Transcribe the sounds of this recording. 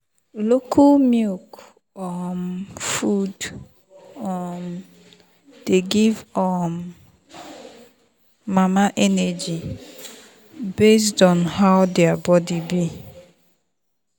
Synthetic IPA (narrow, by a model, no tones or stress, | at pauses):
lokʰumik | ɔmfud | ɔm̩ | d̥eɡivɔm | mamaʔɛnɛd͡ʒi | bes̬tɔnhaʊdeabɔdibi